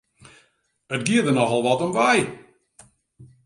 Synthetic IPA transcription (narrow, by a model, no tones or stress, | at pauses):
ətɡiədənɔxɔlˠʋɔtɔmʋɛj